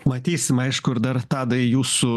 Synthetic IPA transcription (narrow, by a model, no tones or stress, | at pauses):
mɐt̪ʲiːsʲɪmɐɪʃkʊɪɾd̪ɐɾt̪ɑːd̪ɐɪjuːsʊ